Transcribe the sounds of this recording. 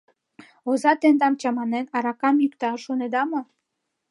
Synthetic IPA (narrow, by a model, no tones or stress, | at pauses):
ozɑt̪end̪ɑmt͡ɕɑmɑnenɑɾɑkɑmjykt̪ɑʃoned̪ɑmo